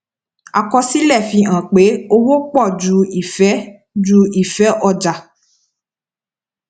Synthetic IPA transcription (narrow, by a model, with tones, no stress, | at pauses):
a˨kɔ˧si˦lɛ˦˨fĩ˧ã˨k͡pe˨˦o˧wo˦k͡pɔ˦˨d͡ʒu˧i˨fɛ˨˦ | d͡ʒu˧˦i˦˨fɛ˨˦ʔɔ˧˨d͡ʒa˨